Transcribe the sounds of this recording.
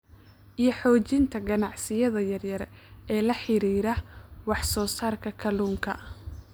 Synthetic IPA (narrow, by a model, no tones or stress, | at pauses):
ʔijɞħɔːt͡ʃɪnt̪ʰɐɡɐnɑʕsɪjɐðɐjɐrjɐɾɛʔɛːlɐħɪɾiːɾɐwɑħsɔːsaːrkʰɐkʰɐluːŋkʰɐ